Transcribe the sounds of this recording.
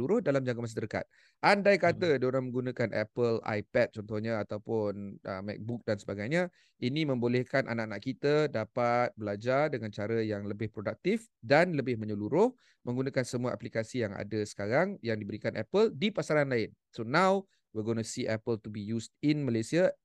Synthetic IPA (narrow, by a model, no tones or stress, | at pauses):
uɾʊhdalamd͡ʒaŋɡamas̬at̪əɾka̰t̪̚ | ʔandajkat̪ədioɾaŋmə̃ŋɡunakanʔɛ̰pəla̰jpɛt̪̚t͡ʃɔnt̪ɔhɲaat̪awpʊnə̰mɛ̰k̚buk̚dansəbaɡajɲa | inĩmə̃mbolɛhkanʔa̰naʔanaʔkit̪ədapat̪̚bəlad͡ʒardəŋãnt͡ʃaɾəjaŋləbɪhpɾodak̚t̪if | danləbɪhmə̃ɲəluɾʊh | mə̃ŋɡunakansəmuaʔa̰plikasijaŋa̰dəsə̥kaɾaŋjaŋdibəɾikanʔɛpəldipasaɾanlaɪn | sonãw | wiɡonəsiʔɛpəlt̪ubijustinməlasia